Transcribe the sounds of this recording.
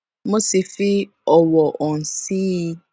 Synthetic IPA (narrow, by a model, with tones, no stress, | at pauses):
mo˦si˨fi˦ | ɔ˨wɔ˨ʔɔ˨n̩˨si˦